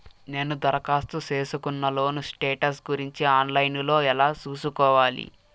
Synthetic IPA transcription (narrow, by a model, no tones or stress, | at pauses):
ne̞ːnud̪ɐɾɐkaːst̪use̞ːsukunːɐlo̞ːnusʈeːʈɐsɡuɾiɲt͡ʃiaːnlɐjnlo̞ːɛlaːt͡ʃuːsukɔːʋaːlḭ